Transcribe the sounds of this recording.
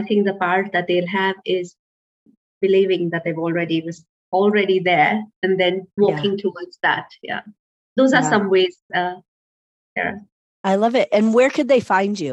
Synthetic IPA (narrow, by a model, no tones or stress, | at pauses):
aɪt̪ʰɪ̃ŋk̚d̪əpaɹʈ̚ðæt̚d̪eɪlɦævɪz | bɪliːvɪ̃ŋd̪æt̚d̪evɔːlˠɹɛɾiwʌz | ɔlˠɹɛɾiðəɹɨ̃nd̪ɛ̃nwɔːkɪ̃ŋtʰuwədzðæ̰t̚jæ̰ | d̪oːzasʌ̃mwez̥ʌ | jɛ̰ | aɪlʌvɪt̚ɨ̃nwə˞kʰɨd̪̚ðeɪfãɪ̃nd͡ʒʉ